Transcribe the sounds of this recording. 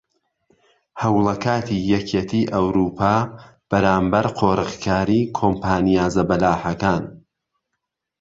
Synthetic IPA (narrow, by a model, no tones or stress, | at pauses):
hɐwlˠɐkʰaːt̪ʰijɛkʰeːt̪ʰiʔɐwɾuːpʰaː | b̥ɐɾaːmbɐɾqʰoːɾɨχkʰaːɾikʰoːmpʰaːnijaːzɐbɐlaːħɐkaːn